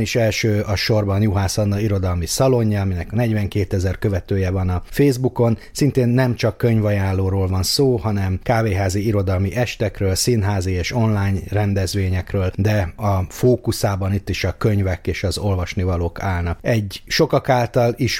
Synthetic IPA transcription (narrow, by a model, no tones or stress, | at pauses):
niʃɛlʃøːɒʃo̞rbɒnjuɦaːsɒnːɒiɾo̞d̪ɒlmisɒlo̞ɲːɒɒminɛknɛɟʋɛŋkeːt̪ɛzɛrkø̞vɛt̪øːjɛvɒnɒfeːzbuko̞nsint̪eːnːɛmt͡ʃɒkːøɲvɒjaːnlːoːɾoːlvɒnsoːhɒnɛmkaːveːɦaːziiɾo̞d̪ɒlmiʔɛʃt̪ɛkrøːlsinɦaːzieːʃo̞nlaːɲrɛnd̪ɛzʋeːɲɛkrøːld̪ɛɒfoːkusaːbɒnit̪ːiʃɒkøɲvɛkeːʃɒzo̞lvɒʃnivɒloːkʰaːlnɒkɛɟːʃo̞kɒkaːlt̪ɒliʃ